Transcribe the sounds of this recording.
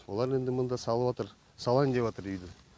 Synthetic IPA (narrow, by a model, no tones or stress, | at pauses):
wo̞lˠɑɾe̞nd̪ɪmʊnd̪ɑsɑlˠəwɑt̪əɾ | sɑlˠɑnd̪epwɑt̪əɾʏjd̪ɪ